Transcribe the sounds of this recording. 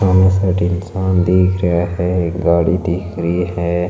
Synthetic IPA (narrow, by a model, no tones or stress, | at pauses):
amesəʈinsand̪iːkʰɾəaɦɛɡaːɽid̪iːkʰɾiɦɛ